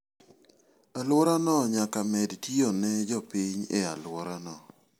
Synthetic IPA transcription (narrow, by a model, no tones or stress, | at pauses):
alwɔɾanɔɲakamɛdtionɛd͡ʒɔpiɲḛa̰lwɔɾanɔ